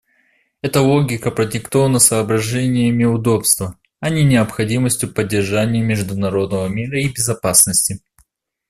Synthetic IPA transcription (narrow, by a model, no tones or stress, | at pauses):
ɛt̪əlˠoɡʲɪkəpɾədʲɪkt̪o̞vənəsəːbɾɐʐɛnʲɪjəmʲɪʊd̪o̞pst̪və | ɐnʲinʲɪəpxɐdʲiməsʲtʲjʊpədʲːɪrʐanʲɪjəmʲɪʐd̪ʊnɐɾo̞d̪nəvəmʲiɾəibʲɪzɐpasnəsʲtʲɪ